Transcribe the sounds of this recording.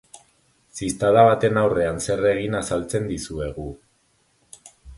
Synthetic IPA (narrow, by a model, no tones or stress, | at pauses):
sist̪aðaβat̪e̞nawre̞anse̞re̞ɣinasalt͡se̞nd̪isue̞ɣ̞u